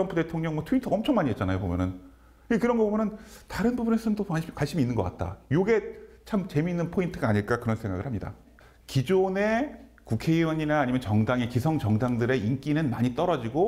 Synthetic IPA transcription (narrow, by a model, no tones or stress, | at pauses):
ʌmpʰude̞tʰoŋɲʌŋwatʰuintʰʌmt͡ɕʰʌŋmaɲiett͡ɕ͈anajopomjʌnɯn | ikɯɾʌnɡʌbomjʌnɯntaɾɯnbubunes͈ʰɯnntoakwaɭɕ͈imiːnːɯnɡʌk͈at̚t͈a̰joɡe̞t͡ɕʰamt͡ɕe̞minːɯnpʰointʰɯɡaːɲiɭk͈akɯɾʌnsʰe̞ŋɡa̰ɣɯɭhamɲida̰ | kid͡ʑone̞ | kukʰe̞iwʌɲinaːɲimjʌnt͡ɕʌŋdaŋekisʰʌŋt͡ɕʌŋdaŋdɯɾe̞ink͈inɯnmaɲit͈ʌɾʌd͡ʑiɡo